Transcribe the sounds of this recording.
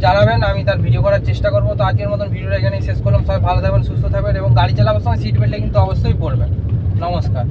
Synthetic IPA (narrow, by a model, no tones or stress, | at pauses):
d͡ʑanabenamit̪aɾbʱiɖiokɔɾaɾt͡ɕeʃʈakoɾbot̪oad͡ʑkeɾmɔt̪onbʱiɖioɾajkʰanejʃeʃkoɾlamsɔbebʱalot̪ʰakbensust̪ʰot̪ʰabeneboŋɡaɽit͡ɕalabost̪ʰãŋesiʈmeɳʈekint̪uɔbost̪ojbolbennɔmoʃkaɾ